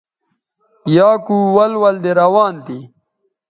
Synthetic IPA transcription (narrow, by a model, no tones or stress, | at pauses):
pjaːkuwɐlwɐld̪eɾɐwaːnt̪i